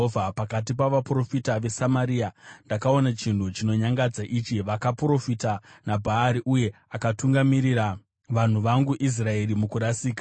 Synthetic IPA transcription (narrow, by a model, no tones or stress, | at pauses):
ovʱapakat̬ipaʋapro̞fitaʋe̞samaɾiːandakao̞nat͡ʃintut͡ʃino̞ɲaŋɡad͡zaʔit͡ʃiʋakapro̞fitanabʱaːɾiʔuje̞ | akatuŋɡamiɾiɾa | ʋan̤uʋaŋɡuʔis̬rae̞ɾimukuɾasiːka